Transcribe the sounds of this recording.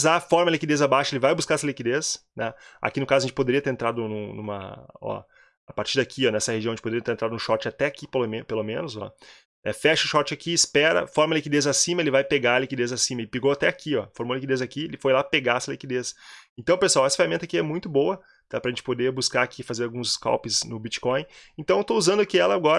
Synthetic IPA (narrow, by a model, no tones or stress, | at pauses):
zafɔɾmɐlikid̪ezabaʃɐelɪvajbuskaɾɛsɐlikid̪esnɛa̰kinʊkazɐʒẽt͡ʃɪpod̪eɾiɐt̪eɾẽnt̪ɾad̪ʊnũnũmɐ̰ɔ̰ | apaɾt͡ʃiɾd̪akʰiɔnɛsɐheʒiɐ̃ẽt͡ʃpod̪eɾiɐ̃t̪ẽt̪ɾad̪ʊnʊʃɔɾt͡ʃɪat̪ɛakipelomẽpelomẽnʊzɔ̰ | ɛfɛʃɐʊʃɔɾt͡ʃɪakiːspɛɾɐ̰fɔɾmɐlikid̪ezasĩmɐelɪvajpeɡaɐlikid̪ezasĩmɐɪpeɡowat̪ɛakʰiɔfoɾmolikid̪ezakielɪfojlapeɡaɛsɐlikid̪esẽnt̪ɐ̃w̃peswawɛsɐ̥fehamẽnt̪akiɛmũj̃t̪ʊbowɐ | t̪apɾɐʒẽnt͡ʃɪ̥pod̪ebuskaakʰifazeɾawɡũska̰wpɪznʊbit͡ʃi̥kõj̃ẽnt̪ɐ̃w̃et̪ouzɐ̃nd̪ʊakiɛlɐɡɔɾ